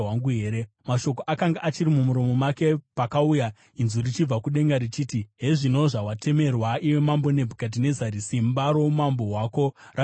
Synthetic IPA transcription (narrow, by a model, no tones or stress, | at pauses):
waŋɡuɦeːɾe | maʃo̞k̬oʔakaŋɡaʔat͡ʃiɾimumuɾo̞mo̞make̞pakauja | inzurit͡ʃib͡vakuɗe̞ŋɡaɾit͡ʃiːtiɦeʐino̞ʐawatʰe̞me̞rwaiwe̞mambo̞ne̞bʱukat̬ine̞zaɾisimbaɾo̞mambo̞waːko̞ | ra